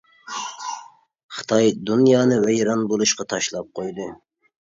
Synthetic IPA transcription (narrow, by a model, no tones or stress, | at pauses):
χɨ̥t̪ʰɑjd̪unjɑːnɨvɛjɾɑnbolˠuʃqɑt̪ʰɑʃlˠɑp̚qʰojd̪ɨ